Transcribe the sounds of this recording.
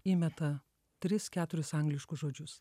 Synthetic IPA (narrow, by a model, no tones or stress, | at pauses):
iːmʲɛt̪ɐ | t̪ʲɾʲɪskʲæːt̪ʊɾʲɪsɐŋɡlʲɪʃkʊsʒoːd͡ʒʲʊs